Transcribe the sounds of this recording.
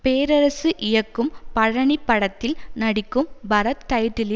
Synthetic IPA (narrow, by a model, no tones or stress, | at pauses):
peːɾɐɾɐsɯʔɪjɐkːɯmpɐɻɐɳɪpːɐɽɐt̪ːɪlnɐɽɪkːɯmbɐɾɐt̪kɐjʈːɪlɪ